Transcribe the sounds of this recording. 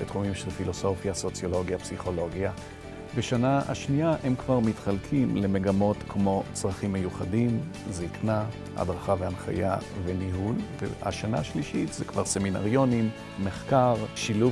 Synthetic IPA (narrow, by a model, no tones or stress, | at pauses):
et̪χumimʃelfilo̞so̞fjaso̞t͡sjo̞lo̞ɡjapsiχo̞lo̞ɡja | beʃanaa̰ʃniaʔemkvaʁmitχalkʰimle̞me̞ɡamo̞tkmo̞t͡sʁaχimːe̞juχadimzikna | a̰dʁaχaveanχa̰javeniɦulvḛha̰ʃana̰aʃliʃitzekv̥aʁse̞mina̰ʁjo̞nimː | e̞χkaʁʃilu